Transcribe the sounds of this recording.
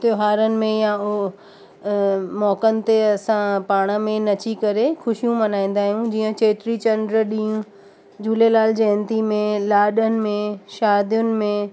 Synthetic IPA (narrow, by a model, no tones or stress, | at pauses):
t̪joɦaːɾənɪ̆mẽjãʊ | mɔːkənɪ̆t̪eɐsãpaːɽ̃ə̆mẽnɐt͡ɕikɐɾexʊʃijũmɐnaːĩːn̆d̪aːɦijũd͡ʑiːə̃t͡ɕeːʈɾit͡ɕɐɳɖɾəɗĩːũ | d͡ʑuːlelaːld͡ʑɛ̃ːnt̪imẽlaːɗənɪ̆mẽʃaːd̪ijʊnɪ̆mẽ